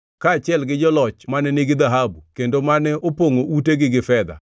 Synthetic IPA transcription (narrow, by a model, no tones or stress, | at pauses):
kaːt͡ʃɪɛlɡɪd͡ʒɔlɔt͡ʃmanɛnɪɡɪd̪aɦabukendomanɛʔopoŋoʔuteɡɪɡɪfɛd̪a̰